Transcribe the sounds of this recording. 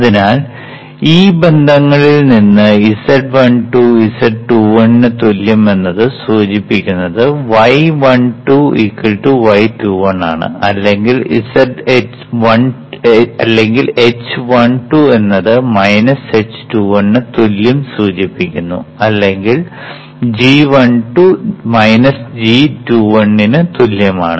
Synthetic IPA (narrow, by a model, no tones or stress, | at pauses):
ɐðinaːl | iːbe̞nd̪ʱɐŋːɐɭilninːɨisɐɖʋɐɳʈuisɐɖʈuːʋɐɳːɨt̪uljɐme̞nːɐðɨsuːt͡ɕipːikʲːunːɐðɨʋɐjʋɐɳʈuḭkːɐlʈuʋɐjʈuːʋɐɳːa̰ːɳɨ̰ɐlːe̞ŋɡilḭsɐɖet͡ɕʋɐɳ | ɐlːe̞ŋɡile̞t͡ɕːʋɐɳʈue̞nːɐðɨmɐjnɐse̞t͡ɕːɨ̥ʈuːʋɐɳːɨt̪uljɐmsuːt͡ɕipːikʲːunːṵɐlːe̞ŋɡil | d͡ʑiʋɐɳʈumɐjnɐsd͡ʑituːʋɐɳːinɨt̪uljɐmaːɳɨ